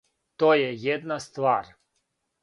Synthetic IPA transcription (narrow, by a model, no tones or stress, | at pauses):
t̪ojɛjɛd̪nast̪vaɾ